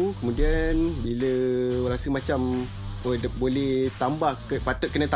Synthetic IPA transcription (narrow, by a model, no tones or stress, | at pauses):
kəmudianbiləɾasəmat͡ʃam | əbolɛht̪ambahkəpat̪ʊʔ̚kənət̪a